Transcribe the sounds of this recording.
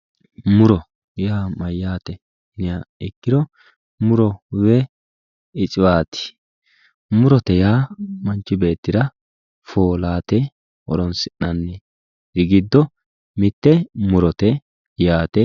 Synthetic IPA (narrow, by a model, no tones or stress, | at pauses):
mʊɾɔ | jaːmɐjːaːt̪ɛ | nɪaɪkːɪɾɔ | mʊɾɔwɛ | ɪt͡ʃʼɪwaːt̪ɪ̥ | mʊɾɔt̪ɛjaːmɐnt͡ʃːɪbe̞ːt̪ːɪɾɐ | foːlaːt̪ɛ | ɔɾɔnsɪnːɐnːɛ | ɾɪɡɪd̪ːɔ | mɪt̪ːɛmʊɾɔt̪ɛ | jaːt̪ɛ